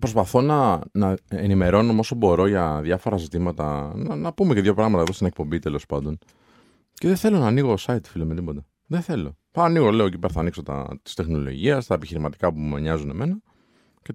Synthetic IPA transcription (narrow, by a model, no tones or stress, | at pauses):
pɾospɐθo̞nɐnɐenime̞ɾo̞no̞mo̞so̞bo̞ɾo̞ʝɐðjɐfo̞ɾɐzit̪imɐt̪ɐnɐnɐpume̞ceðʝo̞pɾɐɣmɐt̪ɐeðost̪inek̚po̞mbit̪e̞lo̞spɐnd̪o̞n | ceðeθe̞lo̞nɐːniɣo̞sɐit̪filomet̪ipot̪ɐ | ðeθe̞lo̞θɐniɣo̞le̞ocipe̞ɾθɐnikso̞t̪ɐ̰t̪i̥st̪e̞xno̞lo̞̰ʝiɐst̪ɐepiçiɾimɐt̪i̥kɐpumeɲɐzune̞me̞nɐ | ce